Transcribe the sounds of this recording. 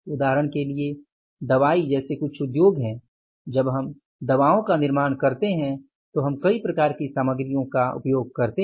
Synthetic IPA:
ʊd̪aːɦɾəɽ̃kelie | d̪ɐʋaːid͡ʒɛːsekʊt͡ʃʰʊd̪joːɡɦɛ̃ | d͡ʒɐbɦɐm | d̪ɐʋaːõkanɪɾmaːɽ̃kɐɾt̪eɦɛ̃ | t̪oɦɐmkɐipɾɐkaːɾkisaːməɡɾijõkaʊ̰pjoːɡ̚kɐɾt̪e

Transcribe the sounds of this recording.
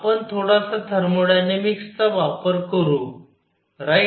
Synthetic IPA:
pəɳt̪ʰoɽasat̪ʰəɾmoɽjanemikst̪aʋapəɾkəɾu | ɾa

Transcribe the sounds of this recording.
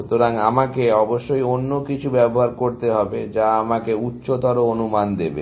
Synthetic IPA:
ut̪oɾaŋamakeɔboʃːojonːokit͡ɕʰubɛboɦaɾkoɾt̪eɦɔbed͡ʑaamakeutːɕot̪ɔɾoonumand̪ebḛ

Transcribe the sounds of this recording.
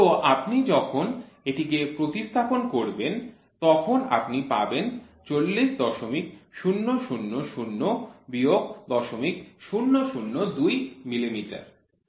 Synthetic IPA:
t̪oʔapnid͡ʑɔkʰon | eʈikepɾot̪iʃt̪ʰaponkoɾben | t̪ɔkʰona̰pnipaben | t͡ɕolːiʃd̪ɔʃomik̚ʃunːoʃunːoʃunːobioɡ̚d̪ɔʃomikʃunːoʃunːod̪ujmilimiʈa̰ɾ

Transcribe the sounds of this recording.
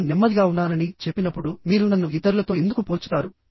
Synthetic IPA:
nɛmːɐd̪iɡaːunːaːnɐnit͡ʃe̞pːinɐpːuɽumiːɾunɐnːuit̪ːɐɾulɐt̪o̞ːe̞nd̪ukupoːɾt͡ʃu̥t̪aːɾu

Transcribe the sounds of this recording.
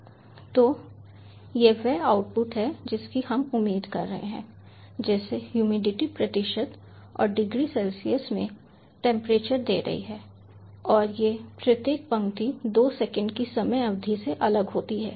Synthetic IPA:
t̪oː | jeʋɛaːʊʈ̚pʊʈɦɛd͡ʒɪskihɐmʊmːiːd̪kɐ̰ɾːɐɦḛɦɛ̰̃ː | d͡ʒɛːsehjuːmiːɖɪʈipɾɐt̪ɪʃət̪ | ɔ̰ːɾɖɪɡɾisɛlsijəsmḛ̃ | ʈɛ̃ːmpɾeːt͡ʃəɾd̪ḛːɾɐ̰ɦḭɦɛː | ɔːɾjepɾɐt̪jeːk̚pɐ̃ŋɡt̪id̪oːsɛkə̃ɳɖkisɐməjɐʋd̪ʱiseʔɐləɡɦoːt̪iɦɛ̰ː

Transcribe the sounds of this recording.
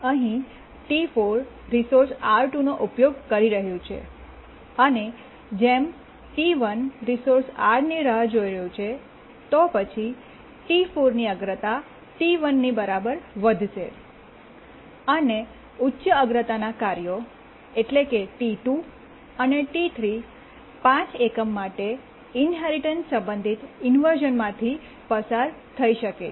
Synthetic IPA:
əɦĩ | ʈifoɾː | isoɾsaɾʈunoʔupjoɡ̚kəɾiɾəɦjũt͡ʃʰḛ | əne | d͡ʒem | ʈiʋənɾisoɾsaɾniɾəɦd͡ʒoiɾəjũt͡ʃʰe | t̪opət͡ʃʰi | ʈifoɾniəɡɾət̪a | ʈiʋənːibəɾabəɾʋəd̪ʱʃe | əne | utːʃəəɡɾət̪anakaɾjo | eʈlekeʈiʈu | əneʈit̪ʰɾi | pãt͡ʃekəmːaʈe | inɦeɾiʈənssə̃mbə̃nd̪ʱit̪ɪnʋəɾʒənmãt̪ʰi | pəsaɾt̪ʰəiʃəke

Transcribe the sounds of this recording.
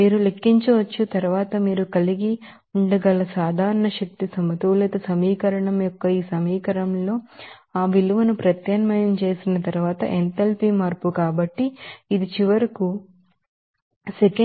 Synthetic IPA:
miːɾulekːiɲt͡ʃiʋɐt͡ʃːut̪ɐɾuʋaːt̪ɐmiːɾukɐliɡi | uɳɖɐɡɐlɐsaːd̪ʱaːɾɐɳɐʃɐk̚t̪isɐmɐt̪uʋleːt̪ɐsɐmiːkɐɾɐɳɐmjɔkːɐiːsɐmiːkɐɾɐmlo̞ːaːʋiluʋɐnupɾɐt̪jɐnɐmɐjɐmt͡ʃe̞ːsinɐt̪ɐɾuʋaːt̪ɐ̰ʔent̪ɐlpimaːɾpukaːbɐʈːiːd̪it͡ʃiʋɐɾiku | seke

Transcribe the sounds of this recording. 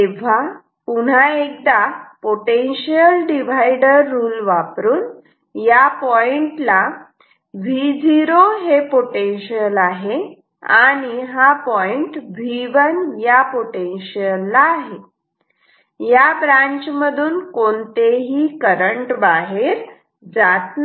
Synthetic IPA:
t̪eʋ̤a | puɽ̤aek̚d̪apoʈenɕijəlɖiʋ̤ajɖəɾːuːlʋapɾuːn | japɔiɳʈla | ʋʱid͡ziɾoɦepoʈenɕiəlaɦe | aɽ̃iɦapɔiɳʈʋʱiʋənjapoʈenɕijəlːaːɦe | jabɾãɲt͡ɕməd̪ʱuːnkont̪eɦiːkəɾəɳʈbaɦeɾ | d͡zat̪na

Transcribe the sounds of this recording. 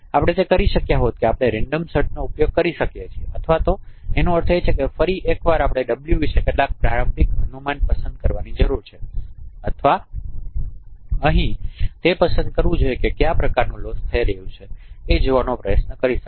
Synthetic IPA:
apɽ̃et̪ekəɾiʃəkjaɦot̪̚keapɽ̃eɾeɳɖəmsəɾʈnoupjoɡ̚kəɾiʃəkjet͡ʃʰieət̪ʰʋat̪oenõəɾt̪ʰəet͡ʃʰekefəɾiʔekʋaɾapɽ̃eɖəbljuʋiʃekeʈlak̚pɾaɾəmbʱikɦənumanʈ̚pəsə̃nd̪̚kəɾʋanid͡ʒəɾuɾt͡ʃʰeət̪ʰʋa | əɦĩt̪epəsə̃nd̪̚kəɾʋũd͡ʒojekekjapɾəkaɾnũlost̪ʰəiɾəɦũt͡ʃʰeed͡ʒoʋanõpɾəjətnəkəɾiʃə̥

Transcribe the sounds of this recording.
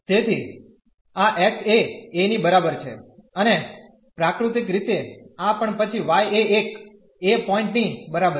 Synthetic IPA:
t̪et̪ʰi | aʔɛk̚ʈeːnibəɾabəɾt͡ʃʰḛəne | pɾakɾut̪ikɾit̪eãpəɳpət͡ʃʰiʋajeek | epɔɪ̃ɳʈnibəɾabə

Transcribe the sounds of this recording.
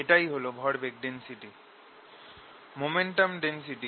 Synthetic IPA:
eʈajɦolobʱɔɽbek̚ɖensiʈi | momeɳʈamɖensiʈi

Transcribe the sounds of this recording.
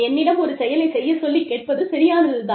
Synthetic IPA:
ɛnːɪɽɐmɔɾɯsɛjɐlɐɪsɛjːɐsɔlːikːeːʈ̚pɐðɯsɐɾɪjaːnɐðɯðaː

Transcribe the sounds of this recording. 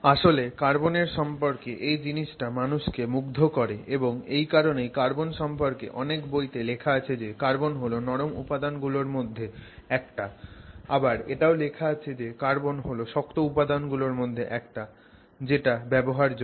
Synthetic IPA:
aʃolekaɾboneɾʃɔmpoɾkeʔejd͡ʑiniʃʈamanuʃkemuɡ̚d̪ʱokɔɾeʔeboŋejkaɾonejkaɾbonʃɔmpoɾkḛʔɔnekbojt̪elekʰaat͡ɕʰed͡ʑekaɾbonɦolonɔɾomṵpad̪anɡuloɾmod̪ʱːeɛk̚ʈaabaɾeʈaolekʰaat͡ɕʰed͡ʑekaɾbonɦoloʃɔkt̪oupad̪anɡuloɾmod̪ʱːeʔɛkʈa | d͡ʑeʈabɛboɦaɾd͡ʑ

